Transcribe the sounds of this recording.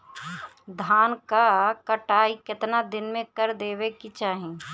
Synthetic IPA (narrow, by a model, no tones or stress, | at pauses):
d̪ʱaːnkakɐʈaːikɪt̪nad̪ɪnmẽkɐɾd̪eːʋekit͡ʃaːɦẽ